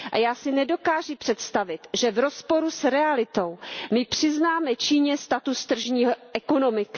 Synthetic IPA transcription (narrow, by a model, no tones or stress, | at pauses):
ʔa̰jaːsɪnɛdo̞kaːʒɪpr̝̥ɛt̪st̪avɪt̪ʒɛvɾo̞spo̞ɾusɾɛalɪt̪o̞wmɪpr̝̥ɪznaːmɛt͡ʃiːɲɛst̪at̪ust̪r̩ʒɲiːɦoʔɛko̞no̞mɪkɪ̥